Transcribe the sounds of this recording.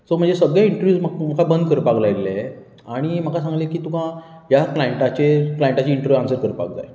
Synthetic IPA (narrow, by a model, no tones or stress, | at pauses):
səm̤əɳnd͡zesəɡɭjaiɳʈəɾʋjuːsməm̤əkabənd̪kəɾpaklajlːe | aɽ̃im̤əkasãŋɡlekiːt̪ukã | ɦjaplaiɳʈat͡ɕeplaeɳʈat͡ɕiiɳʈəɾʋjuãŋsəɾkəɾpa̰k̚d͡za̰j